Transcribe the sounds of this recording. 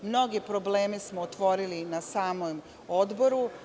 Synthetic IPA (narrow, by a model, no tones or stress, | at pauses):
mno̞ɡepɾo̞bleːmesmoːt̪ʋo̞ɾilinasaːmom | od̪bo̞ɾu